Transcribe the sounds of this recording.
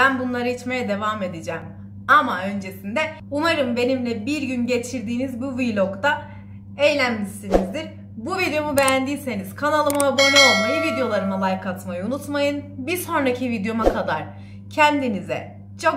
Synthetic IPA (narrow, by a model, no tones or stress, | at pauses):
bænbunlˠaɾait͡ʃme̞jɛd̪e̞vaːme̞d̪id͡ʒɛm | amaø̞nd͡ʒe̞sind̪ɛ | umaɾɯmbe̞nimlʲɛbiɾɟynɟe̞t͡ʃʰiɾd̪iːnizbuvilʲˠo̞kt̪a | ejlʲænmiʃt̪inizd̪iɾ | buvid̪ejo̞mubejænd̪iːse̞niz̥kʰanalˠɯmaabonojivid̪ejo̞lˠaɾɯmalˠajkʰat̪majunut̪majɯnbiɾso̞nɾacʰivid̪jo̞makʰad̪aɾ̥ | cʰɛnd̪inizɛ̰ | t͡ʃʰo̞